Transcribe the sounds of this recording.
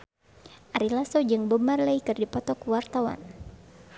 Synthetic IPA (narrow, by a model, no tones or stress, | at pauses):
ʔaɾilasɔd͡ʒɨŋbəmarləikɨrdipɔt̪ɔkuwart̪awa̰n